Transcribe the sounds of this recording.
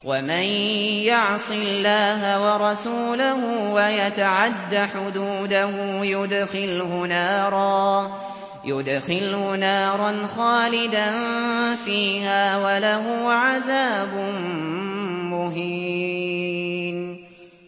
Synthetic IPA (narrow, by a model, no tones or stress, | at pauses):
wamanjʊʕsˤɨlːaːɦawɑɾˤɑsuːlahʊwajat̪aʕad̪ːaħʊd̪uːd̪aɦʊjʊd̪xɪlhʊnaːɾˤɑː | jʊd̪xɪlhʊnaːɾˤɑnxaːlɪd̪anfiːhaːwalaɦʊʕaðaːbʊm | mʊɦi | n